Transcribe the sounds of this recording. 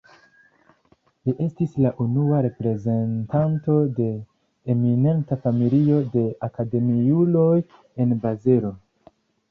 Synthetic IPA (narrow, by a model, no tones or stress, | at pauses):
liʔe̞stislaʔunuaɾe̞pɾe̞ze̞ntanto̞de̞ː | mine̞ntafamilio̞de̞akade̞mijulo̞j | e̞nbazeɾo̞